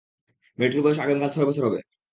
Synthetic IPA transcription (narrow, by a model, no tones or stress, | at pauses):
meʈɾubɔeʃaɡenkʰalt͡ɕʰɔebɔt͡ɕʰoɾɦɔbḛ